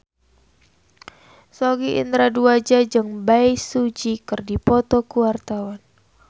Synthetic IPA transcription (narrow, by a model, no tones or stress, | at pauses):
sɔɡiʔḭnt̪ɾaduad͡ʒad͡ʒɨŋbaisud͡ʒikɨrdipɔt̪ɔkuwart̪awan